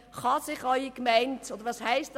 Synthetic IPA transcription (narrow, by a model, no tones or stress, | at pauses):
χɑsɪχɑʏikmæɪntod̪əɾʋɑːshæɪstd